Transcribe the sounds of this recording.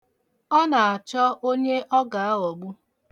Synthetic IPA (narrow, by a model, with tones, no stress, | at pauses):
ɔ˦na˨a˨t͡ʃɔ˦ʔo˦ɲe˦ʔɔ˦ɡa˨a˦ɔ˨ɡ͡bu˦